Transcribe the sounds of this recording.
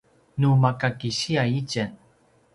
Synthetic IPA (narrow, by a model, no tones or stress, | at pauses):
numakakiɕiaicən